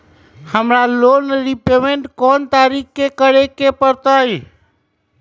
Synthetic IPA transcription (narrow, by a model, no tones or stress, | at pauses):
həmɾalonɾipemeɳʈkɔnt̪aɾikkekəɾekepəɾt̪əj